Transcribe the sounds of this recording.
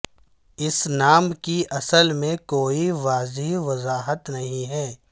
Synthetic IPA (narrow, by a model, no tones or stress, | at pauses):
ɪsnaːmkiʔɐsəlmẽkoːiʋaːzɪɦʋɐzaːɦət̪nɐɦĩɦɛː